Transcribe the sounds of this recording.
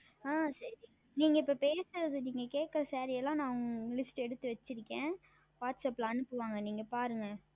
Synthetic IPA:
ãːsɐɾi | niːŋɡɐɪpːɐpeːsɯɾɐðɯniːŋɡɐkeːʈkːɐɾɐsaːɾɪɛlːãːnãːɐʋɐŋlɪsʈɛɽɯt̪ːɯʋɐt͡ʃːɪɾɯkːẽː | ʋaːʈsɐpːlãːɐnɯpːɯʋaːŋɡɐniːŋɡɐpaːɾɯŋɡɐ

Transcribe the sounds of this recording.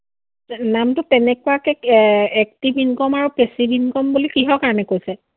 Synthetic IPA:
namtʊtɛnɛkuwakɛɛk̚tibʱinkɔmaɹupesibʱinkɔmbulikiɦɔkaɹɔnɛkojsɛ

